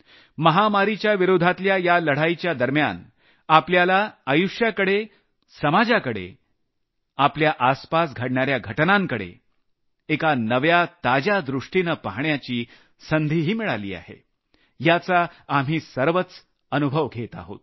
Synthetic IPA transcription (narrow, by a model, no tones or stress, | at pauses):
məɦamaɾit͡ɕjaʋiɾod̪ʱat̪ljajaləɽ̤ajt͡ɕjad̪əɾmja̰n | apljalaəjuʂjakəɽe | səmad͡ʑakəɽḛ | apljaʔaspasɡʱəɽɳaɾjaɡʱəʈnaŋkəɽḛ | ekanəʋjat̪ad͡ʑad̪ɾuʂʈinəpaɦɳjat͡ɕiː | sənd̪ʱiɦiːmiɭa̰lḭːa̰hḛ | jat͡saam̤iːsəɾʋət͡s | ənubʱəʋɡʱet̪a̰ɦo̰t̪